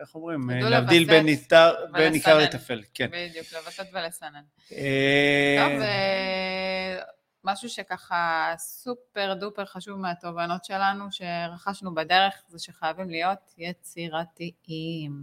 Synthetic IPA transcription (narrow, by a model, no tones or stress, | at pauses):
eχomʁimulavvd̪ilbenitaʁbenikaʁlet̪afelkenbid̪juklevatet̪velesanan | maʃuʃe̞kaχasupe̞ʁdupeʁχaʃuvmeat̪o̞vano̞tʃe̞lanuʃe̞ʁaχaʃnubade̞ʁe̞χzeʃeχajavimlijo̞t̪jet͡siʁat̪iim